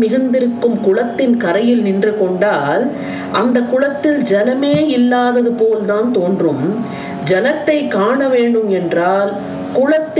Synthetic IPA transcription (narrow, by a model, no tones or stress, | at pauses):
mɪɣɯnd̪ɪɾɯkːɯmkʊɻɐt̪ːɪnkɐɾɐjɪlnɪndrɯkɔɳɖaːl | ʔɐnd̪ɐkʊɻɐt̪ːɪld͡ʒɛnɐmeːɪlːaːðɐðɯpoːlt̪aːnt̪oːndrɯm | d͡ʒɛnɐt̪ːɐɪkːaːɳɐʋeːɳɖɯmɛndraːl | kʊɻɐt̪ː